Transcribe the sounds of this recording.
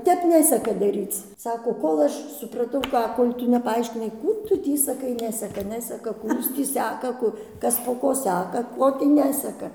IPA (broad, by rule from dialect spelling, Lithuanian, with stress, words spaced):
ˈtʲɛp ˈnʲæːsʲɛkɐ ˈdɑːrʲiːt͡s ˈsɑːkoː ˈkoːlˠ ɐʃ sʊprɐˈtɐʊ ˈkɑː ˈkoːlʲ ˈtʊ nʲɛpɐɐɪʃʲkʲɪˈnɐɪ ˈkuː ˈtʊ ˈtʲiː sɐˈkɐɪ ˈnʲæːsʲɛkɐ ˈnʲæːsʲɛkɐ ˈkuː ˈjuːs tʲiː ˈsʲækɐ ˈkʊ ˈkɐs poː ˈkoː ˈsʲækɐ ˈkoː tʲiː ˈnʲæːsʲɛkɐ